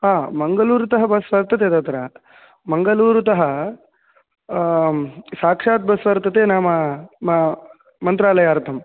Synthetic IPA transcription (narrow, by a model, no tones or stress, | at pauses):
ɦaːmɐŋɡɐluːɾut̪ɐɦɐbɐsʋɐɾt̪ʰːɐt̪eːt̪ɐt̪ɾɐ | mɐŋɡɐluːɾut̪ɐɦɐ | saːkʂaːt̪̚bɐsʋɐɾt̪ːɐt̪eːnaːmɐmɐ | mɐnt̪ɾaːlɐjaːɾt̪ʰɐm